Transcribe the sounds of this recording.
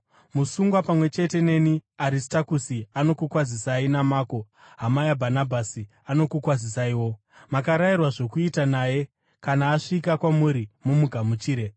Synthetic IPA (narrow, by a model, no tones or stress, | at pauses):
musuŋɡwapamwe̞t͡ʃe̞te̞ne̞niaɾistakusiano̞kukwazisainamaːko̞ | ɦamajabʱanabʱasi | ano̞kukwazisaiwo̞ | makaɾajirwaʐo̞kuitanaːje̞ | kanaːʂikakwamuɾimumuɡʱamut͡ʃiːɾe̞